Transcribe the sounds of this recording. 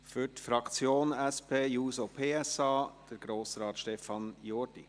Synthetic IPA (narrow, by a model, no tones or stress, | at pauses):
fyɾtfɾɑkt͡sjoːnɛspʰeːjuːsopʰeːɛsɑːd̥əɾɡ̥ɾoːsɾɑːt̪ʃtɛfɑnjoːdḭ